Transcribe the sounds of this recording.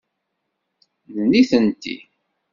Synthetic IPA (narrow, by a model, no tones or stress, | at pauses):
ðnːiθənt̪ḭ